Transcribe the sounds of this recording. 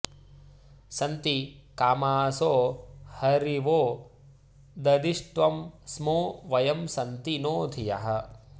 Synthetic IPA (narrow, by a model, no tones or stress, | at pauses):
sɐnt̪ikaːmaːsoːhɐɾiʋoː | d̪ɐd̪iʂʈʋɐmsmoːʋɐjɐmsɐnt̪inoːd̪ʱijɐɦɐ